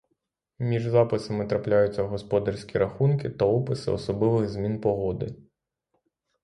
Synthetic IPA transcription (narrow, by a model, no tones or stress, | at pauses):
mʲiʐzapɨsɐmɨt̪ɾaplʲajut̪sʲːɐɣɔspɔd̪ɐrsʲkʲiɾaxunkʲit̪ɐɔpɨsɨ̰ɔ̰sɔblɨvɨɣzʲmʲinpɔɣɔd̪ɨ̰